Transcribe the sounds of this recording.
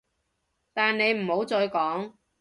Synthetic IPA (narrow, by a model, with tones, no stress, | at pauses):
t̪aː˨nne˨˧jm̩˨˩ho˨˥wt͡sɔː˧jkɔː˨˥ŋ